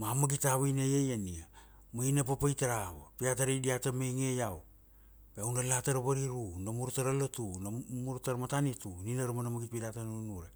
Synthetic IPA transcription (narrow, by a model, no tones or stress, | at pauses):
mamaɡitaβajnajajania | mainap̬apajtaɾaβapiat̬aɾejdiatamejŋejaw | beawnalataɾaβaɾiɾunamuɾtaɾalotunamuɾtaɾmatanituninaɾumanamaɡit̚piɾatannunuɾe